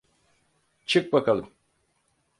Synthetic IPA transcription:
t͡ʃʰɯk̚bakʰalˠɯm

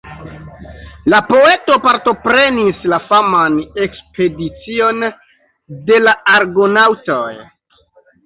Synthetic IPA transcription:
lapo̞e̞to̞paɾto̞pɾe̞nislafamanekspe̞dit͡sio̞n | de̞laaɾɡonawtoj

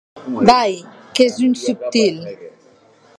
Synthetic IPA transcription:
bajkezunsup̚t̪il

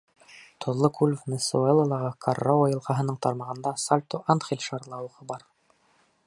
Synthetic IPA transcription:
t̪ʰŏlˠːɤkʰulʲvnesuelˠɤlˠɑʁɑkʰɑrːawojɤ̆lˠqɑɦɤ̆nɤɴt̪ɑɾmɑʁɤ̆nd̪ɑsalʲt̪oʔanχelʲʃɑɾlˠɑwuʁɤbɑɾ

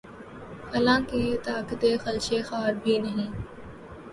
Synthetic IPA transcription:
hɐlãːket̪aːkət̪eːxəlʃeːxaːɾbʱiːnɐɦĩː

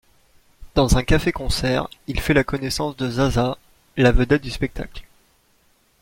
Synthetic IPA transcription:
d̪̥ɑ̃zɛ̃kafekɔ̃sɛʁilfɛlakɔnɛsɑ̃sd̪əzaza | lavəd̪ɛt̪̚d̪yspɛk̚t̪a̰kl

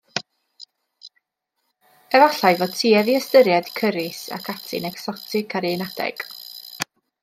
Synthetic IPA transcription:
ɛvaɬajvɔtʰiːɛviəstəɾjad̥kʰəɾɪsa̰kʰatʰɪ̰nɛksɔtʰɪkʰaɾinad̥ɛ̰ɡ̥

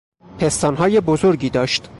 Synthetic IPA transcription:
pʰest̪ɒːnɦɒːjebozoɾɟiːd̪ɒːʃt̪

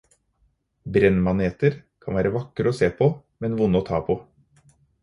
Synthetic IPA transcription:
bɾɛnmɑneːt̪əɾkʰɑnʋæːɾəʋɑkəɾoːseːpʰoː | mɛnʋʊnəoːt̪ʰɑːpʰo

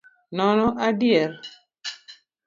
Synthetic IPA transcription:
nɔnɔʔadɪjɛl

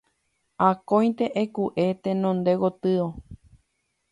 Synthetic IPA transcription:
akõj̪̃t̪eʔekuʔet̪ẽnõnd̪e̞wot̪ɨo

